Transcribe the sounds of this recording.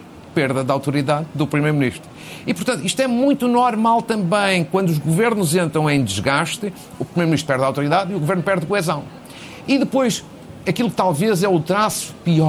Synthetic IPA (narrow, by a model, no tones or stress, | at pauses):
peɾðɐðawt̪uɾiðaððupɾimejɾumniʃt̪ɾu | ipuɾt̪ɐ̃nt̪uiʃt̪wɛmũj̃t̪unɔɾmalˠt̪ɐ̃mbɐ̃j̃kwɐ̃nd̪uʒɣuveɾnuzẽnt̪ɾɐ̃w̃ẽj̃d̪ɨʒɣaʃt̪ɨ | upɾimeɾmniʃt̪ɾpɛɾðawt̪uɾiðaðiuɣuveɾnupɛɾðkuɛzɐ̃w̃ | iðɨpojʃ | ɐkilˠuk̚t̪alˠvezɛut̪ɾasu̥piɔ